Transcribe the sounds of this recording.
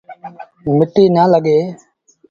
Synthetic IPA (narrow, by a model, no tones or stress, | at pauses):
mɪʈiːnəːləɠeː